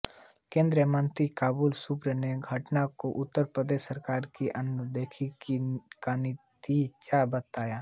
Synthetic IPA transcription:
kẽːnd̪ɾəmə̃nt̪ikaːbuːlsupɾəneɡʱəʈnakoʔʊt̪ːəɾpɾəd̪eːʃsəɾkaːɾkiʔɐnd̪eːkʰikikanɪt̪it͡ʃabət̪aːjaː

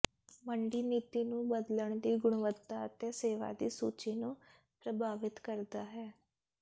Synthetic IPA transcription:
məɳɖiːniːt̪iːnũːbəd̪ləɳ̃d̪iːɡʊɳ̃ʋət̪ːaːət̪eːseːʋa̰ːd̪iːsuːt͡ʃiːnũː | pɾəbaːʋɪt̪kəɾd̪aːɦɛː

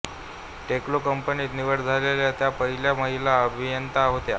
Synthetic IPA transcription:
ʈeklokəmpəniːt̪niʋəɽd͡zʱaleljat̪japəɦiljaməɦilaəbʱijənt̪aɦot̪ja

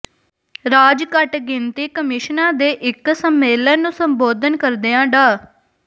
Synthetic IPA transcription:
ɾaːd͡ʒkəʈɡɪnt̪iːkəmɪʃnãːd̪eːʔɪksəmːeːlənũːsəmboːd̪ənkəɾd̪eːãːɖaː

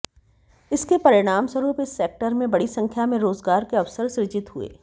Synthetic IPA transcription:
ɪskepɐɾɪɽ̃aːmswəɾuːpɪsːeːk̚ʈəɾmẽbɐɽisɐ̃ŋkʰjamẽɾoːzɡaːɾkeɐʋsəɾsɾɪd͡ʒɪt̪ɦuḛː

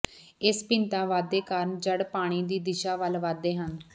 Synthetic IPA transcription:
ɪspɪnt̪ãːʋaːd̪eːkaːɾnd͡ʒəɽpaːɽ̃iːd̪iːd̪ɪʃaːʋəlʋaːd̪eːɦən

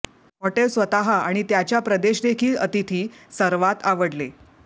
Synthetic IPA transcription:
ɦoʈelsʋət̪aɦaaɽ̃it̪jat͡ɕjapɾəd̪eɕd̪ekʰiːlət̪it̪ʰiːsəɾʋat̪aʋəɽle

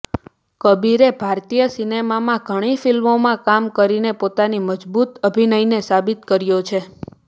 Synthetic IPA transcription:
kəbiɾebʱaɾt̪ijəsinemamãɡʱəɽ̃ifilmomãkamkəɾinepot̪animəd͡ʒbut̪əbʱinəinesabɪt̪kəɾjot͡ʃʰe

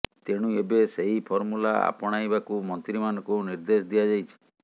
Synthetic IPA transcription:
t̪eɽ̃uebeseɦipʰɔɾmulaa̰pɔɽ̃ajbakumɔnt̪ɾimanɔkuniɾd̪esɔd̪ijad͡ʒajt͡ʃʰi̥

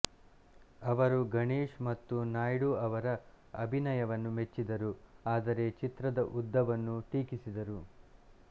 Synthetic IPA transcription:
ɐʋɐɾuɡɐɳeːʂmɐt̪ːunaːjɽuɐʋɐɾɐ | ɐ̰bʱinɐjɐʋɐnːumet͡ʃːid̪ɐɾuaːd̪ɐɾe̞t͡ʃit̪ɾɐd̪ɐʔud̪ːɐʋɐnːuʈiːkisid̪ɐɾu

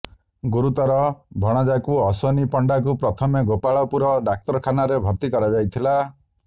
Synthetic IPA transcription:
ɡuɾut̪ɔɾɔbʱɔɽ̃ɔd͡ʒakuɔsɔnipɔɳɖakupɾɔt̪ʰɔmeɡopaɭɔpuɾɔɖak̚t̪ɔɾɔkʰanaɾebʱɔɾt̪ikɔɾad͡ʒajt̪ʰila

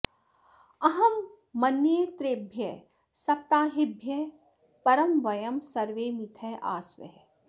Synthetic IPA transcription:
ɐɦɐmː | ɐnjet̪ɾeːbʱjɐ | sɐp̚t̪aːɦɪbʱjɐ | pɐɾɐmʋɐjɐmsɐɾʋeːmit̪ʰɐʔa̰ːsʋɐ̰ɦ

